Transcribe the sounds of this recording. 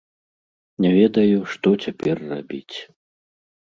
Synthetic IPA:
nʲɛvʲɛd̪ɐjuʂt̪ɔt͡sʲapʲɛrːa̰bʲit͡sʲ

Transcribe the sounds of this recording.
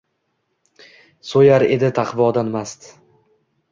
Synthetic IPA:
sojaɾe̞d̪ɪt̪ʰaqvɒd̪anmast̪

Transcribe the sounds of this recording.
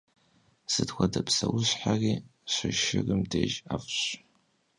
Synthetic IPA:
z̥ɨdxʷɐdɐpʰsɐwʊɕħariːɕʷɪʃɪrɨmdeːʒafɕ

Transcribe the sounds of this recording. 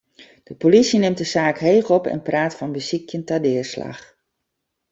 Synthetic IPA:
d̥əpolisinɪmt̚dəsaːkɦeːɣɔpɛ̰npraːtfɔnbəsikʰjəntadɪːrsla̰x

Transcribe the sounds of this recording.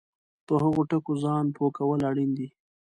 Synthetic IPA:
pəɦaɣoʈəkozɑnpʰokawəlaɽind̪i

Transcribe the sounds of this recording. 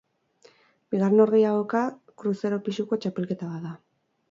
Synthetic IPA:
biɣaɾeno̞ɾɣejaɣoka | kɾuse̞ɾo̞pisuko̞t͡ʃape̞lke̞t̪aβat̪ða

